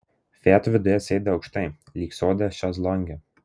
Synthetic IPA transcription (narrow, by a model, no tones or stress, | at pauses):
fʲæːt̪ʊʋʲɪd̪ʊjɛsʲɛɪd̪ʲɛɒʊkʃt̪ɐɪlʲiːksʲoːd̪ʲɛʃʲɑslˠɔŋʲɡʲɛ